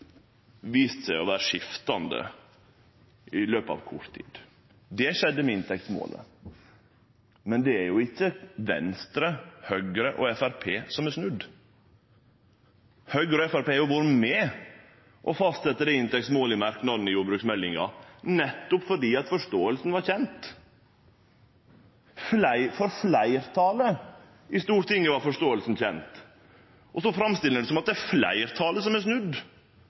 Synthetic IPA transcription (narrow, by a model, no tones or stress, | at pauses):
ʋiːst̪sæɪɔʋæːɾəʂɪft̪ɑnd̪ə̰ | ʔɪløːpɑ̰ːʋkʰʊ̰ʈt̪ʰːḭːd̪̥ | d̪ɛʃɛd̪ːəmɛɪnt̪ʰɛkt̪smo̰ːlə̰ | mɛnd̪ɛæɾjʊɪçːəʋɛ̰nst̪ɾəhœɡəɾəʔɔɛfæɾpʰeːsɔmæʂnʉd̪ | hœɡəɾəɔɛfæɾpeːjʊʋɑːɾəmɛː | ʔɔfɑst̪sɛt̪ːəd̪ɛɪnt̪ɛksmoːləmæɾknɑd̪nɪjuːbɾʉːksmɛlːɪ̰ŋɑ̰nɛt̪ːʊpfɔɖiːɑt̪fɔʂtoːəlsnʋɑɾçɛnt̪ | flæɪfɔɾflæɪɾt̪ʰɑːlə | ʔɪst̪uːɾt̪ʰɪŋːəʋɑɾfɔʂt̪oːəlsn̩çɛ̰nt̪ | ʔɔsɔfɾɑmst̪ɪlːəɖ̪ɛsɔmɑt̪̚d̪ɛæflæ̰ɪɾt̪ʰɑːləsɔmæsnʉd̪